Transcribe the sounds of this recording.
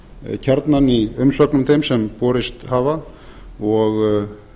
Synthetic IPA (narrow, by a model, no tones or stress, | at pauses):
cʰaɾt̪naniʏmsœknʏmθemsɛmpɔːɾɪst̪haːva | ɔɣ